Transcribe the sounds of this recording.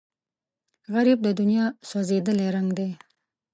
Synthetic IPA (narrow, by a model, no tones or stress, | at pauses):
ɣaɾib̚d̪əd̪ʊnijɑsozed̪əleɾaŋɡd̪e